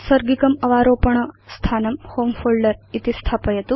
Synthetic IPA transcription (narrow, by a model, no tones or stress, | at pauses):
sɐɾɡikɐmɐʋaːɾoːpɐɳɐst̪ʰaːnɐmhoːmfoːlɖɐɾit̪ist̪ʰaːpɐjɐt̪u